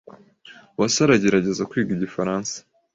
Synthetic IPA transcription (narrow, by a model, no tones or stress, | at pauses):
wasaɾaɟe̞ɾaɟe̞zakwiːɡiɟifaɾaːnsḁ